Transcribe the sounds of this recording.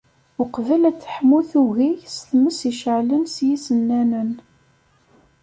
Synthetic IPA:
ʊqvəlæt͡sːə̥ħmːuθuɣʝisθməsiʃʕlənsjisənːænən

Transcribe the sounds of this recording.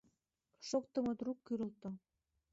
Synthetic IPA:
ʃok̚t̪ə̆mŏd̪rukːyɾə̆lt̪o

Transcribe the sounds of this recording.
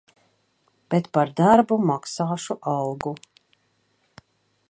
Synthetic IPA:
b̥et̪paɾd̪aɾbumaksaːʃuʔalɡu

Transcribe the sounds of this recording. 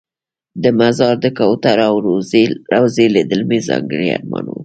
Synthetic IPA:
d̪əmazɑɾd̪əkawt̪aɾawɾawzeled̪əlmezɑ̰ŋɡəɽia̰ɾmɑnu

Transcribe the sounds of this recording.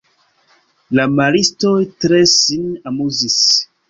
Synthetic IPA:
lamalistojtɾe̞sinamuzis

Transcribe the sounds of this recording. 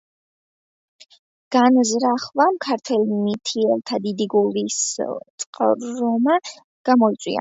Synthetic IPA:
ɡ̥anzɾaχvamkʰaɾt̪ʰwɛlimit̪ʰiɛlt̪ʰad̪id̪iɡulˠist̪sʼqʼɾɔma | ɡ̥amɔit̪sʼwḭa̰

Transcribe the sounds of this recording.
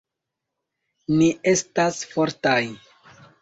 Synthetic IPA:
niʔe̞stasfo̞ɾtaj

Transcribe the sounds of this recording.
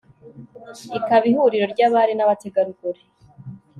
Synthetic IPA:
ikaβihuɾiɾo̞ɾɟaːβaɾinaβateɡaɾuɡoɾe

